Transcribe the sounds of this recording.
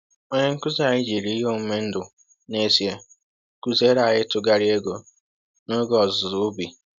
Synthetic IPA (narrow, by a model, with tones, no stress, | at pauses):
o˦ɲe˦ŋ̩˦kʊ˦za˨ɣɪ˦d͡ʒi˨ɾi˦i˦ɦo˦˨m̩˦me˦n̩˦dʊ˨ | ne˦si˨e˦ | ku˦ze˦ɾa˨ɣɪ˦tʊ˨ɡa˨ɾi˦e˦ɡo˨ | no˦ɡɔ˨zʊ˨ɾʊ˦bi˨